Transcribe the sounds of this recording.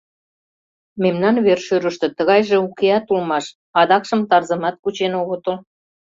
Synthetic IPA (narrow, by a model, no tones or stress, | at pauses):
memnɑnβerʃøɾə̆ʃt̪ĕt̪ə̆ɣɑjʒĕukeɑt̪ulmɑʃ | ɑd̪ɑkʃə̆mt̪ɑrzə̆mɑt̪̚kut͡ɕenoɣot̪ol